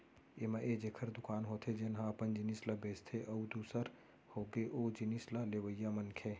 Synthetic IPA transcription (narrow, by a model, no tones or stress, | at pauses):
emaʔed͡ʒekʰəɾd̪ʊkaːnɦoːt̪ʰed͡ʒenɦãəpənd͡ʒinislabeːst̪ʰeʔəud̪uːsəɾ | hoɡeʔoːd͡ʒinislaleʋəjːamənkʰe